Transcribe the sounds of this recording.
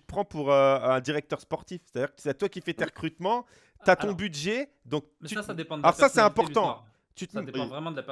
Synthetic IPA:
t̪əpχɑ̃puʁøɛ̃d̪iʁɛk̚t̪œʁspɔʁt̪ifse̥t̪ad̪iːʁkt̪at̪wakʲifɛt̪eʁəkχyt̪mɑ̃ | t̪yat̪ɔ̃byd̪ʒe | d̪ɔ̃k̚tysd̪eɑ̃alɔʁssasɛɛ̃pɔʁt̪ɑ̃ | t̪yt̪vʁɛmɑ̃d̪əa

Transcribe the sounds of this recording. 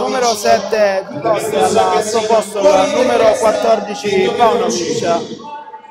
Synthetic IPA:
uːmeɾosɛt̪ːeɔsalːakesopɔst̪olanuːmeɾokwat̪ːɔrd̪it͡ʃipaunomit͡ʃːa

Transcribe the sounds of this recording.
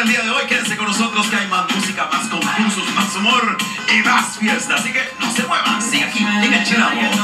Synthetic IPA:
eld̪iɐðɪojkɛɾẽsekõnʊzot̪ɾʊskɪajmazmusikɐmaskõɱfulsʊsmasumoɾ | ɪmasfjest̪ɐsikenɐ̃senw̃ɛmãsĩakiikẽʃeɾaõ

